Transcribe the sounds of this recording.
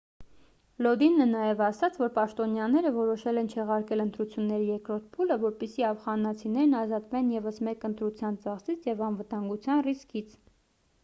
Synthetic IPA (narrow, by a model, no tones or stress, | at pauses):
lɔd̪inːənɑjɛvɑsɑt͡sʰvɔɾpɑʃt̪ɔnjɑnɛɾəvɔɾɔʃɛlɛnt͡ʃʰɛʁɑɾkɛlənt̪ɾut͡sʰjunːɛɾijɛkɾɔɾt̪̚ʰpʰuləvɔɾpisiɑfχɑnɑt͡sʰinɛɾnɑzɑt̪vɛnjɛvəsmɛkənt̪ɾut͡sʰjɑnt͡sɑχsit͡sʰjɛvɑnvət̪ɑŋɡut͡sʰjɑnriskit͡sʰ